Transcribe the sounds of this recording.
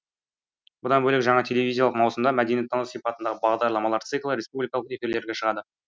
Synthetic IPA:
bʊd̪ɑnbɵlɪkʒɑɴɑt̪ʰe̞lʲe̞vʲizʲijɑlˠəqmɑwsəmd̪ɑmæd̪enit̪ʰːonosipɑt̪ənd̪ɑʁəbɑʁd̪ɑɾlˠɑmɑlˠɑɾt̪sɨklˠəɾe̞spublijkɑlˠəqe̞fiɾle̞ɾɡʲe̞ʃəʁɑd̪ə

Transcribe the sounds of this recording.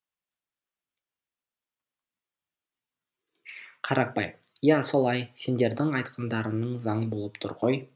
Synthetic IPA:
qʰɑɾʔɑq̚pɑ̰jjæso̞lˠɑjse̞nd̪e̞ɾd̪ɪŋɑjt̪qʰənd̪ɑɾənəɴzɑɴbo̞lˠəpt̪ʰʊ̰ɾqo̞j

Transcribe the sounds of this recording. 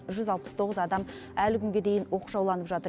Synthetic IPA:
ʒʏzɑlˠpə̥st̪ʰo̞ʁəzɑd̪ɑm | ælɪkʲʰʏŋɡʲe̞d̪e̞jɪnwo̞qʒɑwlˠɑnəpʒɑt̪ə

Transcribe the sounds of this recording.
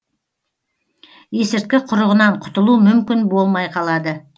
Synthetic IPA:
e̞sɪɾt̪̚kʲɪqʰʊɾəʁənɑɴqʰʊ̥t̪əlˠumʏmkʲɪnbo̞lˠmɑjqʰɑlˠɑd̪ə

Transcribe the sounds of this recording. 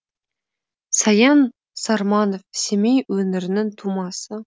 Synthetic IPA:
sɑjɑn | sɑɾmɑnofsemejwɵnɪɾɪnɪŋt̪ʰumɑsə

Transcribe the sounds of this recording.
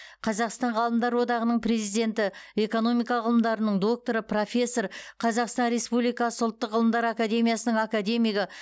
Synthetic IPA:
qʰɑzɑqst̪ɑɴʁɑlˠəmd̪ɑɾwo̞d̪ɑʁənəɴpɾe̞zijd̪e̞nt̪ɪe̞ko̞no̞mijkɑʁəlˠəmd̪ɑɾənəɴd̪o̞k̚t̪o̞ɾəpro̞fʲe̞sːo̞rqʰɑzɑqst̪ɑnɾe̞spublijkɑsəʊlˠt̪ːəqʁəlˠəmd̪ɑɾakad̪e̞mijasənəɴakad̪e̞mijɡɪ

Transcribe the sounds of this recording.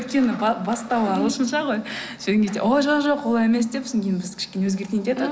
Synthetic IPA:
jt̪̚kʲe̞nɪbbɑst̪ɑlˠɑoʃənʃɑʁoj | set̪eŋɡʲet̪ḛʔoʒoqʒo̞qwolˠɑje̞me̞s̬d̪e̞psɪŋkʲʰejɪnbɪz̥kʲʰɪ̥ʃkʲe̞newɵzɡʲe̞ɾt̪eŋet̪ed̪ɪ

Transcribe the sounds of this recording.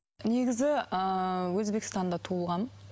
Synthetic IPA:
ne̞ɡʲɪzɪəwɵzbekʲɪst̪ɑnd̪ɑt̪ʰuəlˠʁɑn

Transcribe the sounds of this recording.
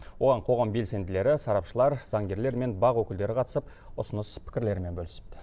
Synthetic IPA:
wwo̞ʁɑɴqʰo̞ʁɑmbe̞lse̞nd̪ɪle̞ɾɪsɑɾɑpʃəlˠɑɾz̥ɑŋɡʲe̞ɾle̞ɾme̞nbɑʁwɵkʲɪld̪e̞ɾɪqʰɑt̪əsəp | ʊsənəspʰɪ̥kʲɪɾle̞ɾme̞nbɵlɪsɪ̥p̚t̪ɪ̥

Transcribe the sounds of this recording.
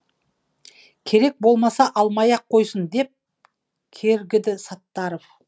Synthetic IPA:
kʲʰe̞ɾe̞k̚bo̞lˠmɑsɑʔɑlˠmɑjɑqʰːo̞jsənd̪e̞p̚ | kʲʰe̞ɾɡʲɪd̪ɪsɑt̪ːɑɾof

